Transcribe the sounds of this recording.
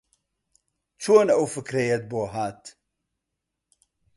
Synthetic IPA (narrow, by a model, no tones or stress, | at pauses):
t͡ʃʰoːnɐwfɨkɾejɛt̪̚boːɦaːt̪